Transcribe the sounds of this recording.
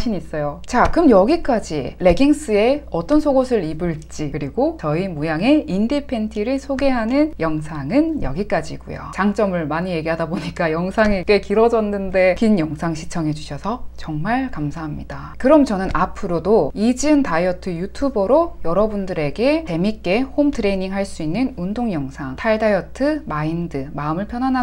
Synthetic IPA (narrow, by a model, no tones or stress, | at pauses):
ɕʰiɲiis͈ʌjot͡ɕakɯmjʌɡik͈ad͡ʑile̞ɡiŋs͈ɯe̞ʌt͈ʌnsʰoɡosʰɯɾibɯɭt͡ɕ͈ikɯɾiɡot͡ɕʌimujaŋe̞indipʰe̞ntʰiɾɯɭsʰoɡe̞ɦanɯnjʌŋsʰaŋɯnjʌ̰ɡik͈ad͡ʑḭɡ̥ṵjo̰t͡ɕaŋt͡ɕ͈ʌmɯɭmaɲije̞ɡiɦadaboɲik͈ajʌŋsʰaŋeke̞kiɾʌd͡ʑʌnːɯnde̞kinjʌŋsʰaŋɕʰit͡ɕʰʌŋɦe̞d͡ʑuɕʰʌsʰʌt͡ɕʌŋmaɭkamsʰaɦamɲḭda | kɯɾʌmt͡ɕʌnɯnʔapʰɯɾodoid͡ʑɯntaiʌtʰɯjutʰubʌɾojʌɾʌbundɯɾe̞ɡe̞te̞mik͈e̞homtʰɯɾe̞ɲiŋɦaɭs͈uinːɯnundoŋjʌŋsʰaŋtʰaɭdajʌtʰɯmaindɯmaɯmɯɭpʰjʌnɦwanɦa